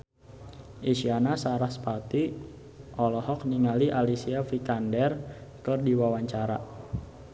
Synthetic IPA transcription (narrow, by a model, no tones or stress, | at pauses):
ʔiʃianasaɾahspat̪i | ʔɔlɔhɔk̚niŋaliʔalisiafikandɛrkɨrdiwawaɲt͡ʃaɾa